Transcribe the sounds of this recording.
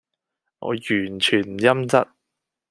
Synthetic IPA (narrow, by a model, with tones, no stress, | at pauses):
ŋʔɔ̰ː˨˧jyː˨˩nt͡ʃʰyː˨˩njɐ˥mt͡sɐ˥t̚